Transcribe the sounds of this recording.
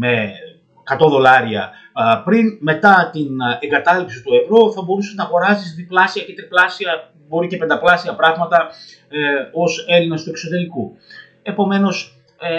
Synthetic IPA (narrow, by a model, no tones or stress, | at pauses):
me̞ | kɐt̪o̞ðo̞lɐɾiɐ̰ | pɾinme̞t̪ɐt̪ineŋɡɐt̪ɐlipsit̪ue̞vɾo̞θɐbo̞ɾuseznɐɣo̞ɾɐsisðiplɐsiɐcet̪ɾiplɐsiɐ | bo̞ɾicepe̞nd̪ɐplɐsiɐpɾɐɣmɐt̪ɐ | o̞se̞linɐst̪uekso̞t̪e̞ɾiku | e̞po̞me̞no̞s